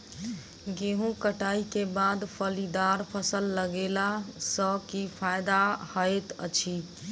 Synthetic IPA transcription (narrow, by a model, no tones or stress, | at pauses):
ɡeɦũkəʈaikebad̪pʰəlid̪aɾpʰəsəlːəɡelasəkipʰajd̪ahəet̪ə̰t͡ʃʰi